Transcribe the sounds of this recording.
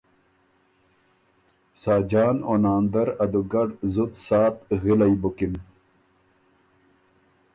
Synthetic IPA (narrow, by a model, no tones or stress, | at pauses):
saːd͡ʑaːnonaːnd̪ɐɾɐd̪uɡɐɖzut̪saːt̪ɣilɐjbukim